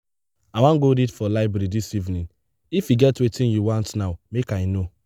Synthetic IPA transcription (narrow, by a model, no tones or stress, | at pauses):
awãɡoɾidfɔlaɪbɹeɾidisivnĩn | ifjiɡɛtwetĩnjuwɔ̃ntnaʊmekaɪno